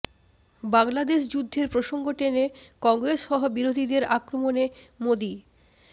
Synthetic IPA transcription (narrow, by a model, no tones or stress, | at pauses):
baŋlad̪eʃ̬d͡ʑud̪ʱːeɾpɾoʃoŋɡoʈenekɔŋɡɾeʃʃɔɦobiɾod̪ʱid̪eɾakɾomone | mod̪i